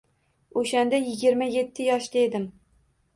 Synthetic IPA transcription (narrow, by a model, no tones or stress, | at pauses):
oʃand̪ajɪɡʲɪɾmaje̞t̪ʰːɪjɒʃd̪aed̪ɪm